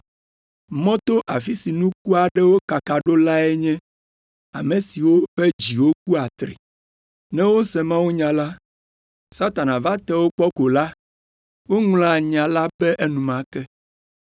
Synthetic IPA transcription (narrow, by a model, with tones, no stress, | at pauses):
mɔ̃˦t̪o˦ʔa˨fi˦si˨nũ˦ku˦a˨ɖɛ˦wo˦ka˨ka˨ɖo˦la˦ɛ˦ɲɛ̃˦ | a̰˨mẽ˨si˨wo˦ɸɛ˦d͡ʑi˨wo˦ku˦a˨t̪ɾḭ˨ | nɛ̃˦wo˦sɛ˨mã˦wu˦ɲã˨la˦ | sa˦t̪a˨nã˨va˦t̪ɛ˦wo˦k͡pɔ˦ko˨la˦ | wo˦ŋl̃ã˦ɲã˨la˦bɛ˦ʔe˦nũ˨mã˦kɛ˦